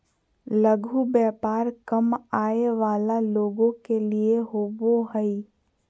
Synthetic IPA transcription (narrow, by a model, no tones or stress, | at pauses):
ləɡʱubɛːpaːɾkəmaːeʋaːlaloːɡõkelieɦoːboɦəi